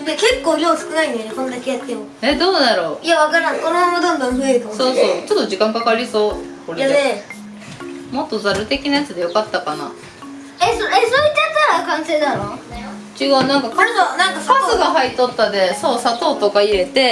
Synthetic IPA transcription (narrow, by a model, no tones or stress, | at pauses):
meke̞kːoːɾʲoːsɨ̥kɯ̟nainjonekõ̞nd̪akejat̪ːemɯ | ed̪o̞ːnaɾo̞ːijaβakaɾãŋkonomamad̪ãnd̪ãmmet̪oso̞ːso̞ːt͡ɕo̞t̪ːo̞d͡ʑikãŋkakaɾʲiso̞ːkoɾeae | mo̞t̪ːo̞zaɾɯ̟t̪e̞kʲinajat͡sɨd̪e̞jo̞kat̪ːakana̰ | esoesoit̪ːajat͡s̪ːaɾakãɰ̃seːd̪aɾoː | t͡ɕiɡaɯnãŋkakaanãŋkasaɨɡaɦait̪o̞t̪ːad̪e̞so̞ːsat̪o̞ːt̪o̞kaie̞t̪e̞